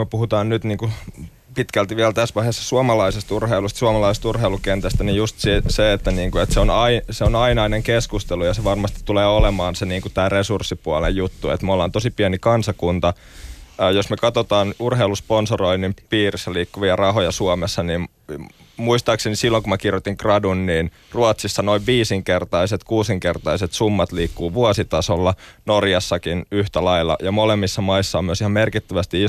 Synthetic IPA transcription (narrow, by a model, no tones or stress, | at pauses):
møpuhut̪ɑːnnyt̪niːŋku | pit̪kælt̪iʋiælt̪æsʋɑihesːɑ̥suɑmɑlɑisest̪urheilust̪suɑmɑlɑisest̪urheilukent̪æst̪ænijust̪siseet̪ːæniːŋkuet̪seonɑiseonɑinɑineŋkeskust̪elujɑseʋɑrmɑst̪i̥t̪ːuleːolemɑːnseniːŋkut̪æːresursːipuɑlejjut̪ːuḛt̪molːɑːnt̪osipiænikɑnsɑkunt̪ɑ | josmøkɑt̪ot̪ɑːnurɦeilusponsoroinːimpiːrisːɑliːkːuʋiɑrɑhojɑsuɑmesːɑniːm | muist̪ɑːksenisilːoŋkumækirjot̪iŋkrɑdunniːn | ruɑt̪sisːɑnoiʋʋiːsiŋkert̪ɑiset̪kuːsiŋkert̪ɑiset̪sumːɑt̪liːkːuːʋuɑsit̪ɑsolːɑnorjɑsːɑkinyht̪ælɑilːɑ̰jɑmolemːisːɑmɑisːɑomyøsihɑmmerkit̪ːæʋæst̪i